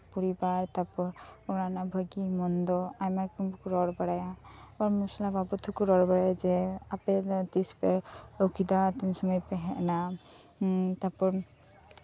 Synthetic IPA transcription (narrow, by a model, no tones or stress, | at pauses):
puɾibaɾt̪aɾpɔɾɔɾanabʱəɡimɔnd̪ɔajmaɾkumbukuɾɔɾbaɽajaɔɾmusɔlababɔt̪ʰukuɾɔɾbaɽajad͡ʒɛapɛt̪ispɛɔkʰid̪at̪insɔmɔjpɛɦɛʔna | t̪apɔɾ